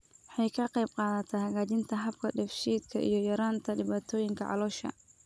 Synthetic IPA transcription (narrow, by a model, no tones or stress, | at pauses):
wħɑjkʰɐqɛjb̚qɑːðɐt̪ʰɛhɐɣaːt͡ʃɪnt̪ʰɐɦɐb̚kʰɐɖɛfʃiːd̪kʰɐʔḭjɞjɐɾaːnt̪ʰɐɖɪβaːt̪ʰɔːjɪŋkʰɐ̰ʕɑ̰lɔːʃɐ̰